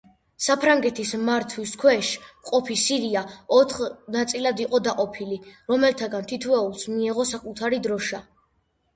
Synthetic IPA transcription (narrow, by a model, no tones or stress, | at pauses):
sapʰɾaŋɡɛt̪ʰismaɾt̪ʰwiskʰwɛʃqʼɔpʰisiɾiaɔt̪ʰχnat̪sʼilad̪iqʼɔd̪aqʼɔpʰiliɾɔmɛlt̪ʰaɡant̪ʰit̪ʰwɛulˠsmiɛʁɔsakʼut̪ʰaɾid̪ɾɔʃa